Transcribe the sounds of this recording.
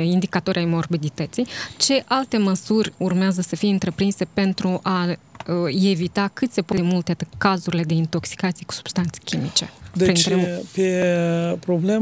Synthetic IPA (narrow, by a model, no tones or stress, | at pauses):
ind̪ikat̪o̞ɾʲajmo̞rbid̪it̪ət̪sijt͡ʃe̞ʔalt̪e̞məsurʲurmeazəsəfijeɨnt̪ɾe̞pɾinse̞pe̞nt̪ɾuʔa | e̞vit̪akɨt̪se̞pod̪emult̪ekazuɾile̞d̪e̞int̪o̞ksi̥kat̪sijeku̥su̥b̥st̪ant̪se̥kʲʰimit͡ʃe̞̰d̪pɾinnɾepepɾoble